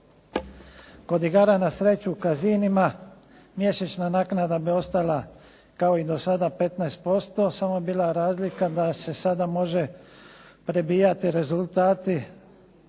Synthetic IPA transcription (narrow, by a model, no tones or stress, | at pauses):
ko̞d̪iɡaɾanasɾe̞t͡ʃukazinima | mje̞ʃet͡ʃnanaːknad̪abio̞st̪ala | kao̞id̪o̞sad̪ape̞t̪najst̪̚po̞st̪o̞samoebiːlˠaɾaːzlikad̪ase̞sad̪amo̞ʒe̞ | pɾe̞biːjat̪iɾe̞zult̪aːt̪i